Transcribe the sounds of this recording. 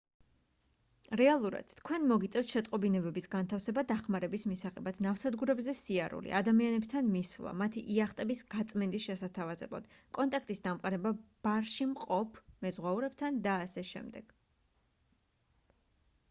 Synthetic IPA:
ɾɛalˠuɾa̰d̪̥t̪ʰkʰwɛnmɔɡit̪sʼɛft̪ʃɛt̪ʼqʼɔbinɛbɛbisɡant̪ʰafsɛbad̪aχmaɾɛbismisaʁɛbat̪ʰnafsad̪ɡuɾɛbzɛsiaɾṵlḭʔad̪amianɛbt̪ʰanmisvlˠa̰mat̪ʰiʔiaχt̪ʼɛbisɡ̥at̪sʼmɛnd̪isʃɛsat̪ʰavazɛ̰blˠa̰d̪̥ | kʼɔnt̪ʼakʰt̪ʼisd̪amqʼaɾɛbab̥aɾʃimqʼɔpʰmɛzʁwauɾɛb̚t̪ʰand̪aːsɛʃɛ̰md̪ɛɡ̥

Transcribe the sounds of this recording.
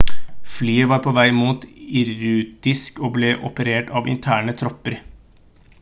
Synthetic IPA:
flyːəʋɑːɾpʰɔʋæɪmuːt̪ɪɾʉːt̪ɪskoːbleːʔɔpəɾeːʈɑːʋɪ̰nt̪ʰæːɳət̪ʰɾɔpːəɾ

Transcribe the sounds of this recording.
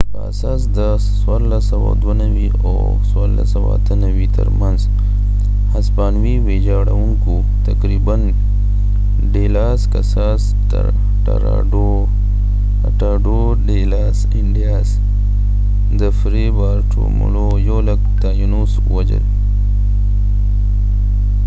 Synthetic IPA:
ka̰saːsd̪ɐsːwaɾlasɐwa̰d̪wɐnɐwiː | o | swaɾla̰sɐwa̰ːt̪ʰənɐwiːt̪ɐ̰ɾmɐnz | hɐspaːnwiweːd͡ʒaːɽɐ̰wuŋku | t̪ɐkɾiːbɐn | ɖeːlaːskɐsaːs | t | ʈɐ̰ɾa̰ɖo | ɐʈaːɖoː | ɖeːlaːsiɳɖijaːs | d̪ɐfɾebaːɾʈʰo̰mṵloːjoːlɐk̚t̪aːjunus | wɐd͡ʑɐ̰l

